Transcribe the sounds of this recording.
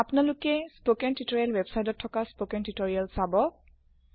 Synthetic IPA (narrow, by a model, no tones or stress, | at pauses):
apnalʊkɛspokɛntutoɹijalwɛbsajtɔtʰːɔkaspokɛntutoɹijalsabɔ